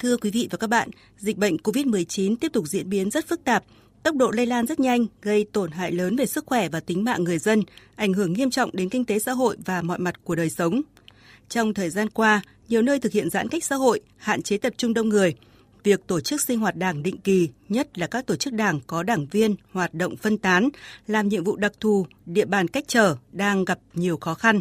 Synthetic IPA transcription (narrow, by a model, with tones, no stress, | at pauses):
t̪ʰɨ˧əkwi˨˦vḭ˧˨vaː˨˩kaː˦˥k̚ɓa̰ː˧˨n | zï˨˩k̟̚ɓə̰˧˨jŋ̟ko˧vi˦˥t̚mɨ˨˩əjt͡ɕi˨˦nt̪i˦˥əp̚t̪ʊ˨˩k͡p̚zḭ˧˥ənɓi˨˦ənzə˦˥t̚fɨ˦˥k̚t̪aː˨˩p̚ | t̪ə˦˥k͡p̚ɗo̰˧˨leə˧laː˧nzə˦˥t̚ɲa˧jŋ̟ɣə˧jt̪o˧˩nɦa̰ː˧˨jləː˨˦nve˨˩sɨ˦˥k̚xwɛ˧˩vaː˨˩t̪ï˨˦ŋma̰ː˧˨ŋɨ˨˩əjzə˧nʔa˧˩jŋɦɨ˧˩əŋːi˧əmt͡ɕɔ̰˧˨wŋ͡mɗe˨˦nkï˧ŋ̟t̪e˨˦sa̰ː˧˥ɦo̰˧˨jvaː˨˩mɔ̰˧˨jma˨˩t̚ku˧˩əɗəː˨˩jsə˨˦wŋ͡m | t͡ɕɔ˧wŋ͡mt̪ʰəː˨˩jzaː˧nkwaː˧ | ɲi˨˩əwnəː˧jt̪ʰɨ˨˩k̚hḭ˧˨ənza̰ː˧˥nka˦˥jk̚sa̰ː˧˥ɦo̰˧˨j | ha̰ː˧˨nt͡ɕe˨˦t̪ə˨˩p̚t͡ɕʊ˧ŋ͡mɗə˧wŋ͡mŋɨ˨˩əj | vi˨˩ək̚t̪o˧˩t͡ɕɨ˦˥k̚sï˧ŋ̟hwaː˨˩t̚ɗaː˧˩ŋɗḭ˧˨ŋ̟ki˨˩ɲə˦˥t̚laː˨˩kaː˦˥k̚t̪o˧˩t͡ɕɨ˦˥k̚ɗaː˧˩ŋkɔ˨˦ɗaː˧˩ŋvi˧ənhwaː˨˩t̚ɗo̰˧˨wŋ͡mfə˧nt̪aː˨˦nlaː˨˩mɲḭ˧˨əŋvṵ˧˨ɗa˨˩k̚t̪ʰu˨˩ɗḭ˧˨əɓaː˨˩nka˦˥k̟̚t͡ɕəː˧˩ɗaː˧ŋɣa˨˩p̚ɲi˨˩əwxɔ˨˦xa˧n